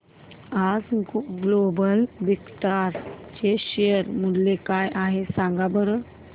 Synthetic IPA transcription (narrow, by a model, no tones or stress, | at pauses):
ad͡zɡlobəlʋikʈaɾt͡ɕeɕejəɾmuɽlekajʔaɦesãŋɡabəɾə